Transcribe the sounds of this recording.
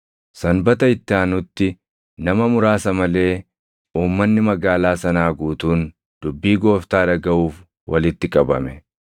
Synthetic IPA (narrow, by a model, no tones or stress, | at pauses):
sɐnbɐt̪ɐɪt̪ːɪaːnʊt̪ːɪ | nɐmɐmʊɾaːsɐmɐle̞ː | uːmːɐnːɪmɐɡaːlaːsɐnaːɡuːt̪uːn | d̪̥ʊbːiːɡo̞ːft̪aːᶑɐɡɐʔuːf | wʔɐ̰lɪt̪ːɪkʼɐbɐ̰mɛ